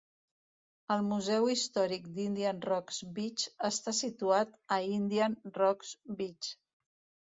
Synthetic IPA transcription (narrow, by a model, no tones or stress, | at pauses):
əlˠmuzɛwist̪ɔɾik̚d̪ind̪iənrɔkzbit͡ʃəst̪asit̪uat̪əind̪iənrɔksbit͡ʃ